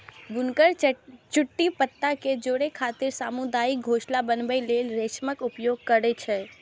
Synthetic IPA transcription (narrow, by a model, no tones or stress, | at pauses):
bunkəɾt͡ʃuʈːipət̪ːaked͡ʒoɽekʰat̪iɾsamud̪aːik̚ɡʱoʃlabənbəlelɾet͡ʃməkupjoɡ̚kəɾɛt͡ʃʰɛ